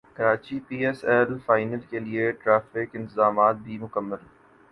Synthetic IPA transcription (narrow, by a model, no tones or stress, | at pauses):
kɐɾaːt͡ʃipiːɛsɛlfaːɪnəlkelieʈɾaːfɪkɪ̃nt̪ɪzaːmaːt̪̚bʱimʊkəmːəl